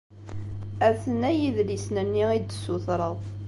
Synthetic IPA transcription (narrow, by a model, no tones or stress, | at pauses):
æθənæjiðlisnənːiid̪sːʊθɾˤəðˤ